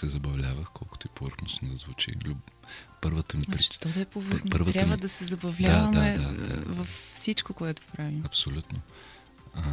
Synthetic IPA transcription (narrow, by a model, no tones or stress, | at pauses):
sɛzɐbɐvlʲavəxkʰɔlˠko̥t̪oipovəɾxnosnod̪ɐzvut͡ʃḭlipəɾvət̪ɐnit̪ɔd̪ɐɛpovɾxnpəɾvət̪ɾʲaɐvəd̪ɐsɛzɐbɐvlʲd̪avɐmaɛd̪a̰da̰vɐffsit͡ʃkokoɛt̪o̥pɾaviɐpsolʲut̪no